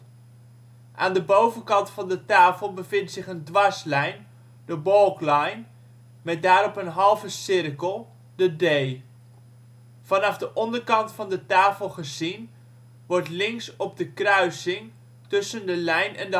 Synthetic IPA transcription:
ʔa̰ːndəbowvənkɑntfɑndətaːfəlˠbəvɪntsɪχəndʋɑslɛjn | dəbɔlˠklɛjn | mɛt̚daːɾɔpənɦɑlˠvəsɪrkəlˠ | dədej | fɑnɑvdəʔɔndərkɑntfɑndətaːfəlˠχəzin | ʋɔrtlɪŋsɔb̚dəkrœɥsɪŋ | tɵsəndəlɛjnʔɛ̰ndə

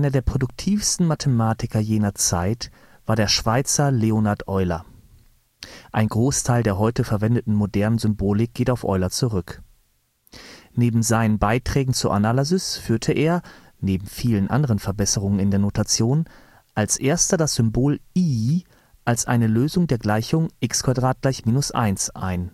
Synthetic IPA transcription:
ʔaɪnɐdeːɐpʁ̥odʊk̚tʰiːfstn̩matʰəmaːtɪkɐjeːnɐt͡saɪt | v̥aːɐdeːɐʃv̥aɪt͡sɐleonaɐtʔɔʏlɐ̰ | ʔaɪnɡʁoːstʰaɪldeːɐɦɔʏtəfɛɐvɛndətn̩modɛɐnənzʏmboːlɪk̚ɡ̥eːtaʊfʔɔ̰ʏlɐt͡suʁʏk | neːbm̩zaɪnənbaɪtʁ̥ɛːɡŋ̩t͡suɐʔa̰nalazʏsfyːɐtʰəʔeːɐ | neːbm̩fiːlənʔa̰ndəʁənfɛɐbɛsəʁ̞ʊŋənɪndeːɐnotʰat͡sjoːn | ʔalsʔeːɐstɐdasz̥ʏmboːliː | ʔalsʔa̰ɪnəløːzʊŋdeːɐɡlaɪçʊŋʔɪkskv̥adʁaːt̚ɡ̥laɪçmiːnʊsʔa̰ɪnsʔa̰ɪn

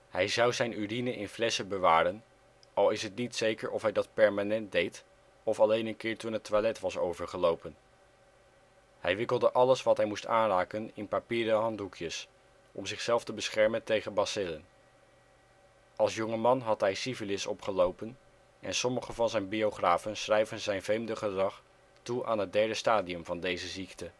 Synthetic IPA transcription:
hɛjzɑwzɛjnyrinəʔɪnflɛsəbəʋaːɾən | ɑlˠɪsɦətnitsejkəɹʔɔfɦɛjdɑt̚pɛɹmaːnɛnt̚dejt | ɔfɑlejnənkɪːɹtunɦətːʋalɛtʋɑsowvəɹχəlowpən | hɛjʋɪkəlˠdəʔɑləsʋɑtɦɛjmustaːnraːkənɪnpapiːɾəɦɑntɦukʰjəs | ʔɔmzɪχsɛlˠftəbəsχɛɹməntejχənbɑsɪlən | ɑlˠsjɔŋəmɑnɦɑtɦɛjsivəlɪsɔpχəlowpən | ʔɛ̰nsɔməχəvɑnzɛjnbioχraːvənsχrɛjvənzɛjnvejmdəχədrɑχ | tuʔaːnɦəd̚dɛɹdəstaːdiɵmvɑndejzəziktə

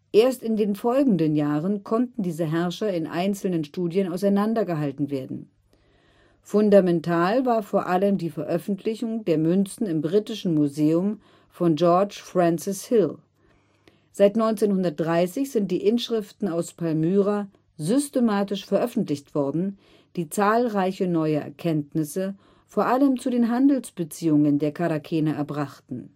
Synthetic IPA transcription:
ʔeːɐstɪndeːnfɔlɡŋ̩dənjaːʁənkʰɔntn̩diːzəɦɛɐʃɐɪnʔa̰ɪnt͡sl̩nənʃtuːdjənaʊsaɪnandɐɡəɦaltn̩veːɐdn̩ | fʊndamɛntʰaːlvaːɐfoːɐʔaləmdiːfɛɐʔœfn̩tʰlɪçʊŋdeːɐmʏnt͡sn̩ɪmbʁiːtɪʃn̩muzeːʊm | fɔnd͡ʒɔɐt͡ʃfʁ̥ɛnsɪshɪl | z̥aɪtnɔʏnt͡seːnhʊndɐt̚d̥ʁaɪsɪçz̥ɪnt̚d̥iːʔɪnʃʁ̥ɪftn̩aʊspʰalmyːʁa | zʏstemaːtɪʃfɛɐʔœfn̩tlɪçtv̥ɔɐdn̩ | d̥iːt͡saːlʁaɪçənɔʏəʔɛ̰ɐkʰɛntnɪsə | foːɐʔaləmt͡sudeːnɦandl̩sb̥ət͡siːʊŋəndeːɐkʰaɾakʰɛːnəʔɛɐbʁaχtn̩

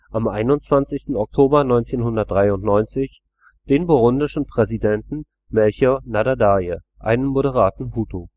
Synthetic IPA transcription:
ʔamʔaɪnʊnt͡sv̥ant͡sɪçstn̩ɔk̚tʰoːbɐnɔʏnt͡seːnhʊndɐt̚d̥ʁaɪʊntnɔʏnt͡sɪç | d̥eːnboʁʊndɪʃn̩pʁ̥ɛzidɛntn̩ | mɛlçonadadajə | ʔa̰ɪnənmoɾəʁ̞aːtn̩ɦuːtʰo

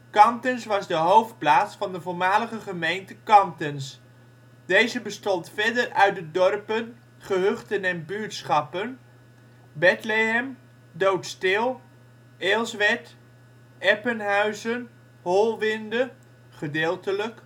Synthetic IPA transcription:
kɑmtənsʋɑzdəɦowft̚plaːtsfɑndəvoːɹmaːləχəχəmejntəkɑmtəns | dejzəbəstɔntfɛdərœɥt̚dədɔrpən | χəɦøχtənɛnbyːɹtsχɑpən | bɛtleɦɛm | dowtstɪlˠ | eːlˠsʋɛt | ʔɛpənɦœɥzən | ɦɔlˠʋɪndə | χədeːlˠtələk

